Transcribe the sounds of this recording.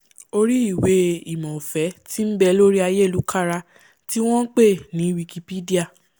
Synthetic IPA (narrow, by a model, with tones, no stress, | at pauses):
o˧ɾi˦i˦˨we˧˦i˨mɔ̃˨o˨fɛ˨˦ti˦n̩˦bɛ˧lo˦ɾi˦a˧je˦˨lu˨˦kʰa˦ɾa˧ | ti˦w̃ɔ̃˦n̩˦k͡pe˦˨nĩ˨˦wi˧ki˧pi˦di˦a˦˨